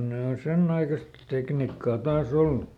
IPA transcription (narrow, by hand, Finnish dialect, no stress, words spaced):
ne o senː ɑikɑst teknikːɑː tɑːs olːu